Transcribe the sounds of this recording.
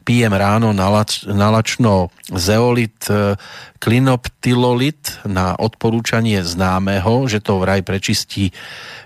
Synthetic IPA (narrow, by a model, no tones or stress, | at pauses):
piːjɛmɾaːnɔnalat͡ʃnɔzɛɔlit̪ | klinɔpt̪ilɔlit̪naʔɔt̪pɔɾuːt͡ʃaɲɪɛznaːmɛɦɔʒɛt̪ɔʋɾajpɾɛt͡ʃisciː